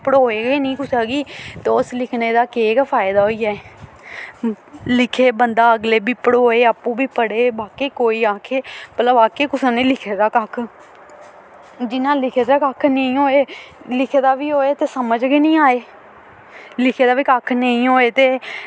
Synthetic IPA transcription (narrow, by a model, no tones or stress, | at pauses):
pəɽɦoːeːɡeːnĩːkʊsaːɡiːt̪eʊslɪkʰneːd̪aːkeːɡpʰaːɪd̪aːɦoːiːɛː | lɪkʰeːbənd̪aːəɡleːbiːpəɽɦoːeːaːpũːbiːpəɽeːbaːkeːkoːiːaːkʰeːmət̪ləbaːkeːkʊsãːnẽːlɪkʰeːd̪aːkakʰ | d͡ʒɪnãːlɪkʰeːd̪aːkakʰnəĩːɦoːeːlɪkʰeːd̪aːʋiːɦoːeːt̪eːsəməd͡ʒɡeːnĩːaːeː | lɪkʰeːd̪aːʋiːkakʰnəĩːɦoːeːt̪eː